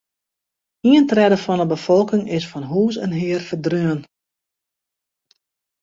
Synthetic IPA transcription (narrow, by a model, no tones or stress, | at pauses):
iəntrɛdəfɔnəbəfɔlˠkɪŋɪsfɔnɦuːs̬ɛ̰nɦɪərfərdrøən